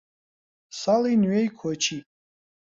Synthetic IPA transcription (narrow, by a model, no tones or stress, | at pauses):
salinɥejkʷʰt͡ʃʰi